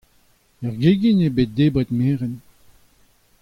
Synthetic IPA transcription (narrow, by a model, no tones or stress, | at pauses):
ɛʁɡeːɡinebet̪̚d̪eːbɛt̪meːʁɛn